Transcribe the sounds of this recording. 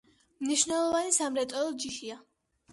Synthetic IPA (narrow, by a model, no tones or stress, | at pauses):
mniʃnɛlˠɔvanisamɾɛt̪ʼɔlɔd͡ʒiʃia